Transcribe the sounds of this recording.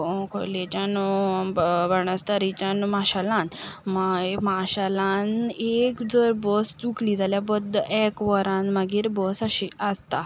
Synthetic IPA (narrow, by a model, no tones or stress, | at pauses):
kʰo̰let͡ɕan | bəɳəst̪aɾit͡ɕanmaɕalãnmamaɕalanekd͡zəɾbɔst͡sukliːd͡zʱaljabəd̪ʱːʔɛkʋəɾãnmaɡiːɾbɔsaɕiəst̪a